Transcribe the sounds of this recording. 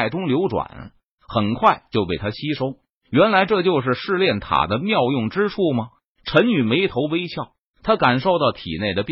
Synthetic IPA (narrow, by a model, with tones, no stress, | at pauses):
ɪt̪ʊ˥ŋljo˧˥ʊʈ͡ʂwa̰˨˩˦n | xə˨˩nkʰwa˥˧ɪt͡ɕjo˥˧ʊpe˥˩ɪt̪ʰa˥ɕi˥ʂo˥ʊ | ɥɛ˧˥nla˧˥ɪʈ͡ʂɤ˥˧t͡ɕjo˥˧ʊʂ̬ɻ̩˥˧ʂɻ̩˥˧ljɛ˥˩nt̪ʰa̰˨˩d̪ə˦mjɑ˥˧ʊjʊ˥˩ŋʈ͡ʂɻ̩˥ʈ͡ʂʰu˥˩mɐ˩ | ʈ͡ʂʰə˧˥ny˨˩me˧˥ɪt̪ʰo˧˥ʊwe˥ɪɕʰjɑ˥˩ʊ | t̪ʰa˥ka˨˩nʂo˥˧ʊt̪ɑ˥˩ʊt̪ʰḭ˨˩ne˥˩ɪd̪ə˩p